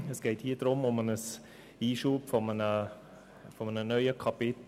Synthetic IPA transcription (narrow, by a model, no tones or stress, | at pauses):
əsɡ̥eɪthiːdɾʊmʊmənəs | iːʃuːpfɔmənə | fɔmənənœʏəkʰɑpɪt